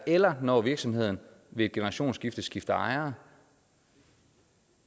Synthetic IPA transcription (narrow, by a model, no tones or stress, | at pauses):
elɐnɒ̰ʋiɐɡ̥sɒ̽mhe̝ð̞̰ˠn̩ʋe̝ːd̥ɡ̥enɐʁɑ̈ɕo̝̰ːnsɡ̥ifd̥əsɡ̥ifd̥ɐɑ̈ɪɐ